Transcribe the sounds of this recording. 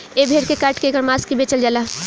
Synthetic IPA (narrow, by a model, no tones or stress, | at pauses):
ebʱeːɾkekaːʈkekəɾmaːskibeːt͡ʃəld͡ʒaːlaː